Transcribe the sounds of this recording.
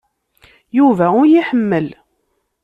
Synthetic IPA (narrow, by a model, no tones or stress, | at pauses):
juvæʊɾjiħəmːəl